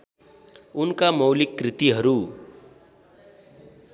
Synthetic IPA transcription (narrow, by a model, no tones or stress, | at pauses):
unkamʌwlikːrit̪iɦʌɾu